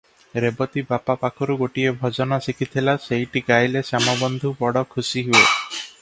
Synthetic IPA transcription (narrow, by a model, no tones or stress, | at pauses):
ɾebɔt̪ibapapakʰɔɾuɡoʈiebʱɔd͡ʒɔnɔsikʰit̪ʰilasejʈiɡajlesamɔbɔnd̪ʱubɔɽɔkʰusiɦue